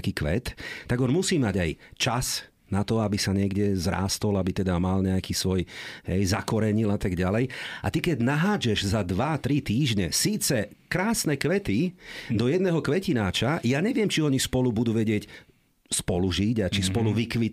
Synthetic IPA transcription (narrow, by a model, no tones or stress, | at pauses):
kiːkʋɛ̰t̪ːaɡɔnmusiːmaɟajt͡ʃas | nat̪ɔabisaɲɪɛɡɟɛzɾa̰ːst̪ɔlabit̪ɛd̪amalɲɛakiːsʋɔjɦɛjzakɔɾɛɲilat̪aɡɟalɛja̰t̪ikɛɟnaɦaːd͡ʒɛʒzad̪ʋat̪ɾit̪iːʒɲɛsiːt͡sɛ | kɾaːsnɛkʋɛt̪id̪ɔjɛd̪nɛɦɔkʋɛcinaːt͡ʃajaːɲɛʋɪɛmt͡ʃiɔɲispɔlubud̪uːʋɛɟɪɛc | spɔluʒiɟat͡ʃispɔluʋikʋi